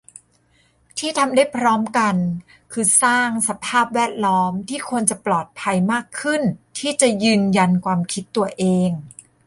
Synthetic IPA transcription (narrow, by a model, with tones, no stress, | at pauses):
t̪ʰiː˥˩t̪ʰa˧mda˥˩jpʰɾɔː˦˥mka˧n | kʰɯː˧saː˥˩ŋsa˧pʰaː˥˩p̚wɛː˥˩t̪̚lɔː˦˥mt̪ʰiː˥˩kʰu˧ənt͡ɕa˨˩plɔː˨˩t̪̚pʰa˧jmaː˥˩kʰːɯ˥˩nt̪ʰiː˥˩t͡ɕa˨˩jɯː˧nja˧nkʰwaː˧mkʰi˦˥t̪ːu˧ɐʔeː˧ŋ